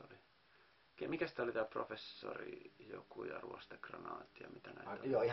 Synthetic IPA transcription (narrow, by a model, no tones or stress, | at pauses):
oli | kemikæsi̥t̪æolit̪æːprofesːorijokujɑruost̪ekrɑnɑːt̪ːijɑmit̪ænæijoi